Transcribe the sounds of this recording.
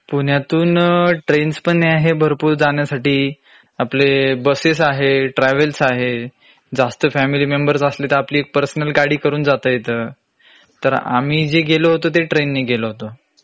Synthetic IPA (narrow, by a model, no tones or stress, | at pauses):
puɳ̤jat̪uːnʈɾenspəɳːeaɦebʱəɾpuːɾd͡zaɳjasaʈiː | aplebəsesaɦeʈɾɛʋəlsaɦe | d͡zast̪əfæmiliːmembəɾsəslet̪əapliːek̚pəɾsnəlɡaɽiːkəɾuːnd͡zat̪əjet̪ə | t̪əɾa̰m̤iːd͡ʑeɡeloɦot̪ot̪̬eʈɾenːeɡeloɦot̪o